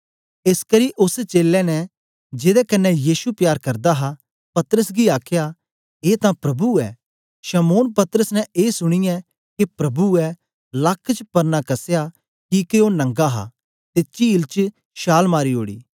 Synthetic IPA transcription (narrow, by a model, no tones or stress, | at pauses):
eskɐɾiʔʊst͡ʃeːlɛnɛ | d͡ʒeːd̪ɛkɐnːɛjiːsupjaːɾkɐɾd̪aɦa | pɐt̪əɾəsɡiaːkʰja | eːt̪ãpɾɐbuɛ̰ | ʃɐmoːnpɐt̪əɾəsnɛ̃eːsʊɽ̃ɪjã | kipɾɐbuɛ | lɐkʰːt͡ʃpɐɾnakɐsja | kikeonɐ̃ŋɡaɦa̰ | t̪et͡ʃiːlt͡ʃ | ʃaːlmaːɾiɦo̰ːɽḭː